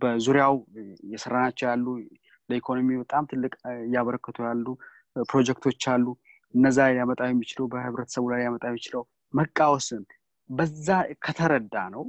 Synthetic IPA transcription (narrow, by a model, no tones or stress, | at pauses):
bəzuɾjawjɛsəɾanat͡ʃːɛwjalːu | ləikʰo̞no̞mibət̪ʼamt̪ʰɨlːɨkʼjːaβəɾəkːət̪ʰujalːu | pɾo̞d͡ʒɛkt̪ʰo̞t͡ʃːalːu | ʔɨnːəzːajamət̪ʼawjɛmːit͡ʃɪləwbəhɨβɾət̪ʰə̥səβulajjamət̪ʼajɛmɪt͡ʃɪləw | məkʼːawsɨn | bəzːakʰət̪ʰəɾəd̪ːanəw